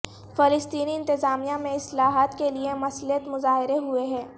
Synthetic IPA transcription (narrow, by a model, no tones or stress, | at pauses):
fɪlɪst̪iːniɪ̃nt̪ɪzaːmijamẽɪslaːɦaːt̪keliemɐsliət̪mʊzaːɦɪɾeɦueɦɛ̃ː